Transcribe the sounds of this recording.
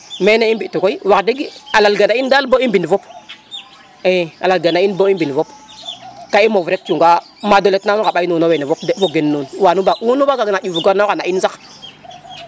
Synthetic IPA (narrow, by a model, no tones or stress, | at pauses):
meneimbitukoiwakdeɡialalɡanaindalboimbinivop | ea̰lalɡanainboimbinivop | kaimovɾek̚t͡ʃuŋɡa | madoletnanukaɓainunowenevopdefoɡenːunwanubaʔunubaɡaɡinajuvuɡanokanainzak